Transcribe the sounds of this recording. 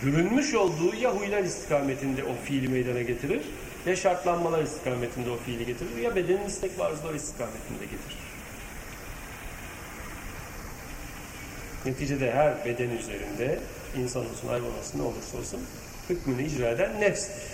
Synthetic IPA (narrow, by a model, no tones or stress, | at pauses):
ɟyɾynmyʃo̞lˠd̪uːjaɦujlˠaɾist̪ʰi̥kʰaːme̞t̪ʰind̪ɛʔo̞filʲimejd̪anaɟe̞t̪ʰiɾiɾ̥ | jaʃaɾt̪lˠanmalˠaɾist̪ʰi̥kʰaːme̞t̪ʰind̪ɛo̞fiːlʲiɟe̞t̪ʰiɾiɾjabe̞d̪eninʲist̪ʰɛcvaɾzɯlˠaɾist̪ʰi̥kʰaːme̞t̪ʰind̪ɛɟet̪ʰiɾ̥ | ne̞t̪ʰiːd͡ʒe̞d̪ɛɦæɾbe̞d̪ɛnyze̞̰ɾḭnd̪ɛ | insanumuzuna̰jbo̰ma̰sɯnao̰lˠuɾso̰lˠsun | hɯkmɯnɯid͡ʒɾaːed̪ænːɛfs